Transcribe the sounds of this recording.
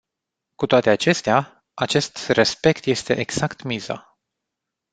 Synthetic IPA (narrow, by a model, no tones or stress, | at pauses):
kut̪oat̪e̞at͡ʃe̞st̪ea | at͡ʃe̞st̪respe̞kt̪je̞st̪e̞ʔeɡz̥akt̪miza̰